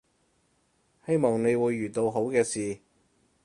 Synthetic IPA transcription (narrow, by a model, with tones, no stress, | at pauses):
he˥jmɔː˨˩ŋne˨˧jwuː˨˧jːyː˨˩t̪o˧wɦo˨˥wkɛː˧siː˨